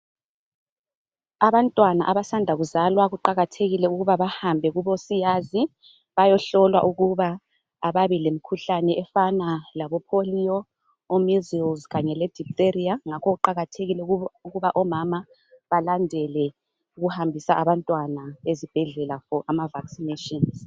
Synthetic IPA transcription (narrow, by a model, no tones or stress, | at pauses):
aβantʼwanaʔaβasandʱaɣuzalwaɣuǃaɣatʰeɣilɛuɣuβaβahambʱɛɣuβosijazi | βajɔɬɔlwa̰ʔuɣuβaː | βaβilemikʰuɬanɛɛfanalaβɔpʰolijɔː | mizilzɣaɲɛlɛd̥ʱik̚tʼeriaŋakʰɔɣuǃaɣatʰeɣilɛuɣuβaʔɔmama | βalandʱɛlɛ | uɣuhambʱisaʔaβantʼwanaezib̥ʱɛɮɛlafɔʔamavaksineʃʼɔnz